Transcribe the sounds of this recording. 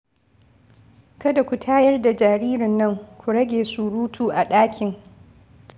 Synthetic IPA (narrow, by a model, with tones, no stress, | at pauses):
kɐ˦da˨kʷu˨tʰaː˦jɐ˦rda˨d͡ʒaː˨ɾiː˦ɾɪ˨nːɐ˦ŋkʷu˨ɽɐ˦ɡʲeː˨su˦ɽuː˦tʰuː˦˨ʔa˨ɗaː˦kʲʰɪ˨ŋ